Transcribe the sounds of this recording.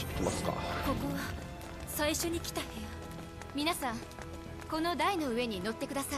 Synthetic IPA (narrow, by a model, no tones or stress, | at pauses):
t̪e̥kʲimasɨ̥ka̰ko̞koβa | saiɕo̞ɲ̟ikʲi̥t̪ahea | mʲinasãŋ | ko̞no̞d̪aino̞ɯ̟e̞ɲ̟ino̞t̪ːe̞kɯ̟d̪asa